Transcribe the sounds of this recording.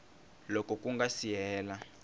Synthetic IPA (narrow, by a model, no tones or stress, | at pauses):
lɔkʼɔkʼuŋɡasijɛːla